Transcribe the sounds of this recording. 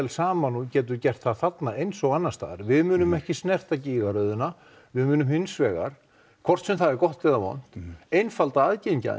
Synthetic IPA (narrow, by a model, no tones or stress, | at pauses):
ɛlsaːmanucɛːt̪̬ʏɾcɛr̥t̪θaðθat̪naejnsɔɣanːḁst̪a̰ːðɾvɪðmʏːnʏmɛhcɪsnɛr̥t̪aciːɣaɾœɥðʏna | vɪðmʏːnʏmhɪnsvɛːɣa̰ɾ̥ | kʰvɔr̥t̪sɛmθaðɛɾkɔht̪ɪðavɔ̰n̥t̪ejnfalt̪aaðcejɲca̰